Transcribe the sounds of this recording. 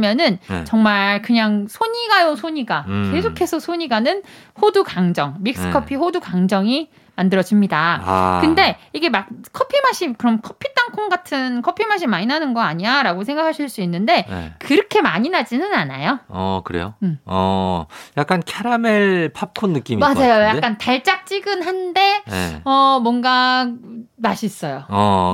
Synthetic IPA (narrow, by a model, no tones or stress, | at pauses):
mjʌnɯnt͡ɕʌŋmaɭkɯɲaŋsʰoɲiɡajosʰoɲiɡake̞sʰokʰe̞sʰʌsʰoɲiɡanɯnɸodukaŋd͡ʑʌŋmik̚s͈ɯ̥kʰʌpʰiɸodukaŋd͡ʑʌŋi | mandɯɾʌd͡ʑimɲida̰kɯnde̞iɡe̞mak̚kʰʌpʰimaɕ͈ʰimkɯɾʌmkʰʌpʰit͈aŋkʰoŋɡatʰɯnkʰʌpʰimaɕ̬ʰimaɲinanɯnɡʌaɲiaɾaɡosʰeŋɡakʰaɕʰiɭs͈uinːɯnde̞kɯɾʌkʰe̞maɲinad͡ʑinɯnana̰joʌkɯɾe̞̰joɯʌ | jak͈ankʰeɾameɭpʰap̚kʰonːɯk͈imimad͡ʑajojakk͈antaɭt͡ɕ͈ak̚t͡ɕ͈iɡɯnɦande̞̰ʌmwʌnɡa | maɕʰis͈ʌjo